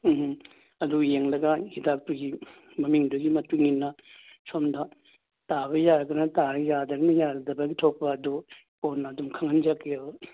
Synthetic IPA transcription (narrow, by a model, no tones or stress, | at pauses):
ɐdujeŋlɐɡɐhidak̚tuɡi | mɐmiŋduɡimɐtuŋinːɐsomdɐ | taβɐjaɾɐɡɐnɐtaɾɐjadɐɡɐnɐjaɾɐdɐbɐɡitʰok̚pɐːdu | ponːɐːdumkʰɐŋɐnd͡ʒɐkːeo